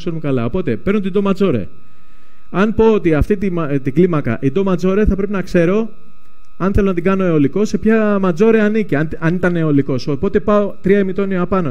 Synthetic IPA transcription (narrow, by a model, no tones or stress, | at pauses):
seɾumekɐlɐo̞po̞t̪e̞pe̞ɾnot̪ind̪omɐd͡zo̞ɾḛ | ɐnpo̞ot̪iɐft̪it̪imt̪iɡlimɐkɐ̰ʔid̪o̞mɐd͡zo̞ɾeθɐpɾe̞pinɐkse̞ɾo̞ | ɐnθe̞lonɐt̪iɡɐno̞eo̞liko̞se̞pçɐmɐd͡zo̞ɾeɐniciɐ | ɐnit̪ɐneo̞liko̞sopo̞t̪e̞pɐo̞t̪ɾiɐemit̪o̞nioɐpɐno